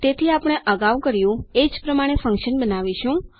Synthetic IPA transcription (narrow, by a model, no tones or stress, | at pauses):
t̪et̪ʰiapɽ̃eʔəɡaʋkəɾjũed͡ʒpɾəmaɽ̃efə̃ŋkʃənbənaʋiʃũ